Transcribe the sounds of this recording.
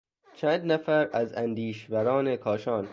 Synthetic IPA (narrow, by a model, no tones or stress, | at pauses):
t͡ʃʰæːnd̪næfæɾæzænd̪iːʃvæɾɒːnekʰɒːʃɒːn